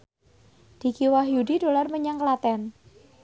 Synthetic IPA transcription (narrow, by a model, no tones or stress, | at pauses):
d̥i̤kiwaɦjudido̤larməɲaŋklat̪ɛn